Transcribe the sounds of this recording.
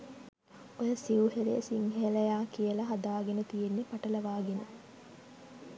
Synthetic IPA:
ojəsiʋuɦeɾijəsiŋɦelɐjaːkijəlɐɦɐd̪aːɡenət̪ijenːipɐʈɐlɐʋaːɡenə

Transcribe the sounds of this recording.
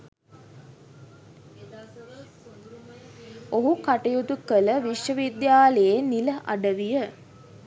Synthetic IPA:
oɦukaʈɐjut̪ukələʋiʃjəʋid̪jaːləjeniləʔa̰ɖəʋijə

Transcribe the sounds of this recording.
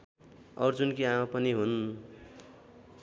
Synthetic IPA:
ʌɾd͡zunkiamapʌniɦun

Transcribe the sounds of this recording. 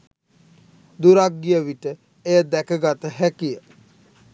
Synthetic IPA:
d̪uɾak̚ːijəʋiʈə | ejəd̪ɛkəɡat̪əɦækijə

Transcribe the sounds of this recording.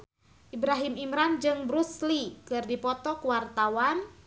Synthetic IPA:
ʔibɾaɦimimɾand͡ʒɨŋbɾuslikɨrdipɔt̪ɔkwart̪awan

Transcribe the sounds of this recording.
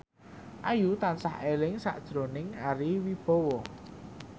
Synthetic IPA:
ʔajut̪ansahelɪŋsa̰ʔd̥ʒ̥ɾonɪŋaɾiwib̥ɔ̤wɔ

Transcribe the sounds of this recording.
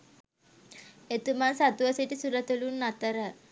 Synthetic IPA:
et̪umansat̪uʋəsiʈisuɾət̪ulunːat̪əɾə

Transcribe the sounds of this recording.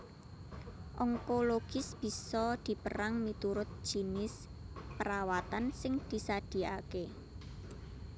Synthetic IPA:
ʔɔŋkoloɡ̥ɪ̤sb̥i̤sɔd̪̥i̤pəɾaŋmit̪uɾʊt̪̚ʒ̥i̤nɪs | pəɾawat̪ansɪŋd̪̥i̤sad̪̥i̤a̰ke

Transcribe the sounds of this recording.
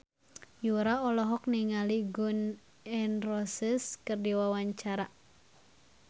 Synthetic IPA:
juɾaɔlɔɦɔk̚niŋaliɡun | ɛnrɔsiskɨrdiwawaɲt͡ʃaɾa

